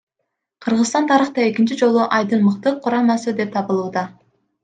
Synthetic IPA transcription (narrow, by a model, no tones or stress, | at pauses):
qʰɯɾʁɯzt̪ɑnt̪ʰɑɾɯχt̪ɑe̞kint͡ʃid͡ʒo̞lˠuʔɑjd̪ɯnmɯqt̪ɯqʰːʊɾɑmɑsɯd̪e̞p̚t̪ʰɑβɯlˠuːd̪ɑ